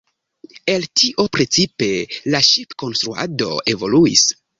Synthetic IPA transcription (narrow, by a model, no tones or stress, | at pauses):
e̞ltʰiʔo̞pɾe̞t͡sipe̞laʃipko̞nst̪ɾua̰do̞̰e̞vo̞luḭs